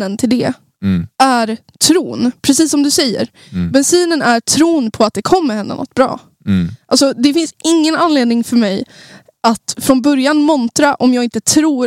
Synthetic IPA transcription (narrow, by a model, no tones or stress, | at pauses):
ənt̪ʰɪld̪ɛ | æɾ | t̪ʰɾuːnpʰɾɛsiːsːɔmd̪ɵsɛjːə̰ɾ | bɛnsiːnənæʈʰɾuːnpʰɔat̪̚d̪ɛkʰɔmːəɾhɛnd̪a̰nɔ̰t̪̚ːbɾɑ̰ː | ʔalsɔd̪ɛfɪnsɪŋːənanleːd̪nɪŋfœɾmɛj | ʔat̪fɾɔnbœɾjanmɔnt̪ɾaʔɔmjɑːɡɪnt̪ət̪ʰɾuːɾ